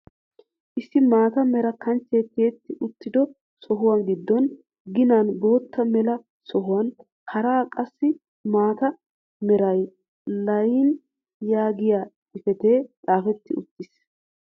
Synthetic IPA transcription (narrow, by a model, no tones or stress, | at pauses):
ʔɪsːɪmaːt̪ɐmɛɾɐkɐnt͡sːe̞ːt̪ːeːt̪ːɪʔʊt̪ːɪd̪ɔ | sɔɦʊwɐnɡɪd̪ːɔn | ɡɪnanbo̞ːt̪ʰːɐmɛlɐ | sɔɦʊwɐn | hɐɾaːkʼɐsːɪ | maːt̪ɐ | mɛɾɐj | lɐjɪn | jaːɡɪjaː | ɪfɛt̪eːt͡sʼaːfɛt̪ːɪʊt̪ːɪs